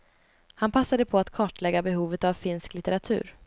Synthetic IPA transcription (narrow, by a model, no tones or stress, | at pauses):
hanpʰasːad̪əpʰɔat̪kʰɑːʈlɛɡːabɛɦuːvət̪avfɪnsklɪt̪əɾat̪ʰʉ̟̰ːɾ